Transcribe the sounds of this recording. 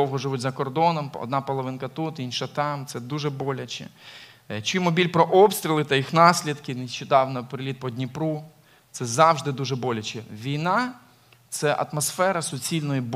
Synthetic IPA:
ɔwɦɔʒɪʋutʲzɐkɔrd̪ɔnɔmɔ̰d̪nɑpɔlˠɔʋɪnkɐt̪ut̪inʃɐt̪ɑmt̪sɛd̪uʒɛbɔlʲɐt͡ʃɛ̰ | t͡ʃijmɔbʲilʲpɾɔʔɔpst̪ʲɾʲilˠɪt̪ɐjixnɑsʲlʲid̪kɪnɪʃt͡ʃɛd̪ɑwnɐpɾɪlʲit̪̚pɔdʲnʲipɾu | t̪sɛzɑwʒd̪ɪd̪uʒɛbɔlʲɐt͡ʃɛʋʲijnɑ | t̪sɛʔɐ̰t̪mɔsfɛɾɐsʊt͡sʲilʲnɔjib

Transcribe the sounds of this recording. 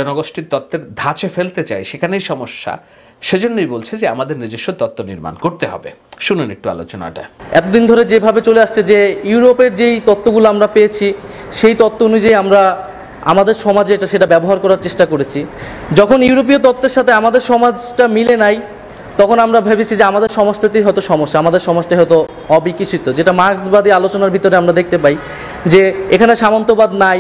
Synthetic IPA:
ɔnoɡoʃʈiɾt̪ɔt̪ːeɾd̪ʱat͡ɕefelt̪et͡ɕa̰eʃekʰanejʃɔmoʃːa̰ | ʃed͡ʑonːojbolt͡ɕʰed͡ʑea̰mad̪eɾnid͡ʑeʃːot̪ɔt̪ːonḭɾma̰nkoɾt̪eɦɔ̰bḛʃunenek̚ʈua̰lo̰t͡ɕona̰ʈa̰ɛt̪od̪ind̪ʱoɾed͡ʑebʱabet͡ɕoleaʃt͡ɕʰed͡ʑejuuɾopeɾd͡ʑejt̪ɔt̪ːoɡuloamɾapejet͡ɕʰi | ʃejt̪ɔt̪ːoonud͡ʑajamɾa | a̰mad̪eɾʃɔmad͡ʑeʈaʃeʈabɛboɦaɾkɔɾaɾt͡ɕeʃʈakoɾet͡ɕʰi | d͡ʑɔkʰoniuɾop̬iot̪̬ɔt̪ːeɾʃat̪ʰeamad̪eɾʃɔmad͡ʑʈamilenaj | t̪ɔkʰonamɾabʱebet͡ɕʰid͡ʑeamad̪eɾʃɔmoʃʈat̪iɦɔet̪oʃɔmoʃːaamad̪eɾʃɔmaʃʈaɦɔt̪o | ɔbikiʃʰit̪od͡ʑeʈamaɾksbad̪ialot͡ɕonaɾbʱit̪oɾeamɾad̪ek̚ʰt̪epaj | d͡ʑeekʰaneʃamont̪obad̪naj

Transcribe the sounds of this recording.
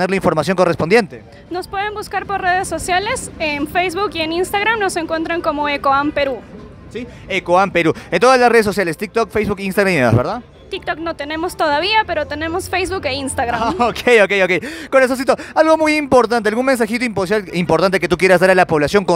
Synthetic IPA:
neɾlaiɱfo̞ɾmasjoŋko̞respo̞nd̪je̞nt̪e | no̞spwe̞ð̞embuskaɾpoɾre̞ð̞esːo̞sjale̞senfejzβukieninst̪aɣɾamno̞se̞ŋkwe̞nt̪ɾaŋko̞mo̞ekoampe̞ɾu | si | ekoampe̞ɾuent̪o̞ðaslasre̞ð̞eso̞s̬jalest̪ik̚t̪okfejzβukinst̪aɣɾamineβa̰zβeɾðað | t̪ik̚t̪okno̞t̪e̞nẽ̞most̪o̞ðaβ̞iape̞ɾo̞t̪e̞ne̞mo̞sfejzβukeinst̪aɣɾaokʰejo̞kejokejkoɾes̬os̬it̪oalɣo̞mujimpo̞ɾt̪ant̪ealɣunmens̬axit̪oimpos̬jalimpoɾt̪ant̪̬eke̞t̪uk̬je̞ɾazðaɾalapo̞βlasjo̞ŋko

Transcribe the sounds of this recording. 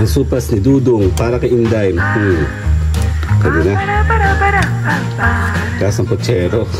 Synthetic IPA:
ɐŋsuːpɐsnid̪uːd̪oŋpaːɾɐkɐʔind̪ajm̩ | kɐdina | kasɐŋpɔt͡ʃɛːɾo

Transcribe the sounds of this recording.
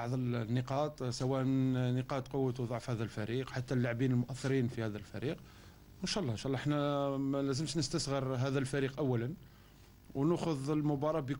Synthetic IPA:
ɑʕd̪ˤəlnːəqɑt̪ˤsæwæʔnnəqɑt̪qʊwːət̪wd̪ˤɑʕfhæd̪ælfæɾiqħat̪ːælːaʕbinəlmʊʔæθːəɾinfihæd̪ælfæɾiq | ənʃæʔlːɑənʃæʔlːɑəħnæmælæzəmʃnəst̪əsɣəɾɦæd̪ælfæɾiqʔəwːælən | wnʊxʊd̪əlmʊbɑɾˤɑbi

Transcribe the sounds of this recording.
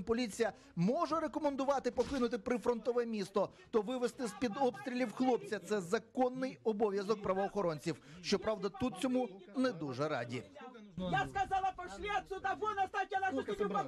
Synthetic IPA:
pɔlʲit͡sʲijɐ | mɔʒɛɾekɔmend̪ʊʋɑt̪ɪpɔkˠɪnʊt̪̬ɪpɾɪfɾɔnt̪ɔʋɛmʲist̪ɔ | t̪ɔʋɪʋest̪ɪspʲid̪ɔpst̪ɾʲilʲiwxlˠɔpt͡sʲɐt̪sɛzɐkɔnːɪjɔbɔʋʲjɐzɔk̚pɾɐʋɔːxɔɾɔnʲt͡sʲiwʃt͡ʃɔpɾɑʋd̪ɐt̪ut̪̚t͡sʲɔmunɛd̪uʒɛɾɑ̰dʲḭjaskɐzɑlˠɐpɔʃlʲiɐt̪sʲʊd̪aʋɔnɐst̪at̪ʲɐnaʃ

